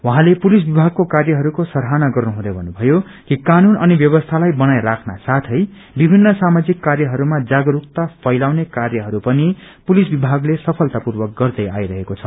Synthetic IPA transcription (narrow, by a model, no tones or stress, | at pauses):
wʌ̃ɦãlepulis̬bibʱaɡ̚kokarjʌɦʌɾukosʌɾɦanaɡʌrnuɦũd̪ʌjbʱʌnːubʱʌjo | kikanunʌnibjʌβʌst̪ʰalajbʌnajrakʰna̰sat̪ʰʌj | bibʱinːʌsamad͡zikːarjʌɦʌɾumad͡zaɡʌɾukt̪apʰʌjlawnekarjʌɦʌɾupʌnipulisbibʱaɡlesʌpʰʌlt̪apurbʌk̚ɡʌrd̪ʌjajɾʌɦekot͡sʰʌ